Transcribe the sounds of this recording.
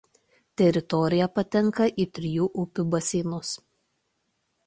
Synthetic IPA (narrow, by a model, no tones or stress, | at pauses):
t̪ʲɛɾʲɪt̪ɔɾʲɪjɛpɐt̪ʲɛŋˑkɐʔiːt̪ʲɾʲɪjuːʔʊpʲʊbɐsʲiːnʊs